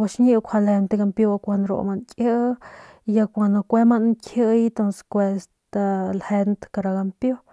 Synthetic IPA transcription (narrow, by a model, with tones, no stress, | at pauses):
wa˧ʃɲĩ˦ʔkʷʰha˧lhe˧nt̪e˧ɡa˧mpjo˧kʷa˧nd̪ɾo̰˧ʔmã˧nkʼjə˦ʔ | ja˧kʷã˨nã˧kʷe˦mã˧ʔnŋkʰjə˦ʔit̪õ˧nse̥kʷe˧s | t̪a˧lhe˧nt̪ka˧ɾa˧ɡa˧mpjo˦